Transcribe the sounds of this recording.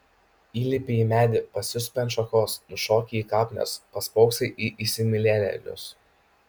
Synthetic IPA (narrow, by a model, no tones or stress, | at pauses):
iːlʲɪpʲɪimʲæːd̪ʲɪpɐsʲʊsʲpʲɛnʃɐxoːsʊʃoːkʲiiːkɑːpʲnʲo̰spɐspɔʊksʲɐɪʔiʔɪsʲɪmʲɪlʲɛlʲɛ̰lʲʊ̰s